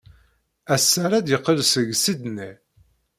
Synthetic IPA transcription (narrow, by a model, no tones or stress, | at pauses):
æsːæɾæd̪jəqːəlsəʝsid̪ni